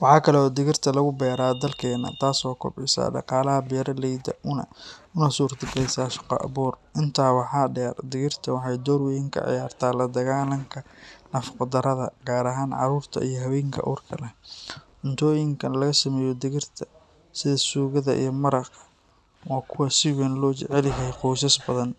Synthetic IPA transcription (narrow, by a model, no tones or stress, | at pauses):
wɑħɑːkʰɐlɛɔːd̪ɪɣɪrt̪ʰɐlɐɣʊbɛːɾaːd̪ɐlkʰɛːnɐ̰t̪ʰaːsɔːkʰʊ̰bʕɪsa̰ːɖɑ̰qɑːlɐɦɐbɛːɾɐlɛjd̪ɐ̰ʔʊnɐ̰ʊnɐsuːrt̪ɪɡɛjsaːʃɑ̥qɔ̰ʔɐ̰βuːrʔɪnt̪ʰaːwɑħɑːɖɛːrd̪ɪɣɪrt̪ʰɐwɑħɑjd̪ɔːɾwɛjɪŋkʰɐ̰ʕɪ̰jaːrt̪ʰaːlɐd̪ɐɣaːlɐŋkʰɐnɐfɑ̥qɔd̪ɐɾɐðɐ̰ɡaːɾɐɦaːnʕɑ̰ɾuːrt̪ʰɐ̰ʔijɞɦɐwɛːŋkʰɐ̰ʔṵːrkʰɐlɛ | ʊnt̪ʰɔːjɪŋkʰɐnlɐɣɐsɐmɛːjɔd̪ɪɣɪrt̪ʰɐ | sɪðɐsuːɣɐðɐ̰ʔḭjɞmɐɾɑq | waːkʰʊwɐsɪwɛːnlɔːt͡ʃɛʕɛlɪɦɛjquːsɐsbɐðɐn